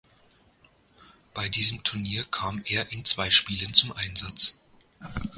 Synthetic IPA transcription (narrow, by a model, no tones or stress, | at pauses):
b̥aɪdiːzəmtʰʊɐniːɐkʰaːmʔeːɐʔɪnt͡sv̥aɪʃpiːlənt͡sʊmʔaɪnzat͡s